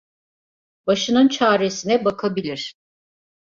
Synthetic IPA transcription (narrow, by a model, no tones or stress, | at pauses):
baʃɯnɯnt͡ʃʰaːɾe̞sinɛbakʰabilʲiɾ̥